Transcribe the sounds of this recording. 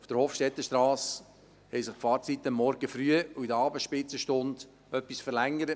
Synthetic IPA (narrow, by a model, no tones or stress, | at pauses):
uft̪əɾhoːfʃtɛt̪ːəʃtɾɑːs | hɛɪjsɪχfɑːɾt͡sit̪ːəmːɔɾɡ̥əfɾyəuidəɑːbəsʃpɪt͡səʃtʊnd̥ | œpːisfəɾlæŋːəɾə